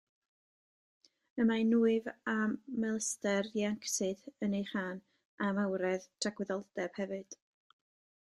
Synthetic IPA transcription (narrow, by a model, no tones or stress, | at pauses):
əmanuːɨvamːɛlˠstɛrjaŋksɨðənejχaːn | amawɾɛðtʰaɡwɪðɔlˠdɛb̥hɛvɨd̥